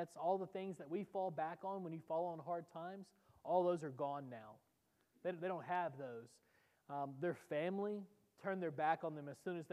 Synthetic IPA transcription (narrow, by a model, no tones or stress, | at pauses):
ætsɔlˠðəθɪ̃ŋzðɨt̚wifɔlˠbækn̩wə̃njɨfɔlˠə̃nɦɑɹd̚tʰãɪ̃mz̥ | ʔɔlˠðoʊzə˞ɡɔ̃nːaʊ | ðeɪðeɪɾõʊ̃ntɦɨvðoʊz̥ | ðə˞fæ̃mli | tʰɜ̃˞nðə˞bækn̩ðɨ̃mɨz̥sʉ̃nɨzð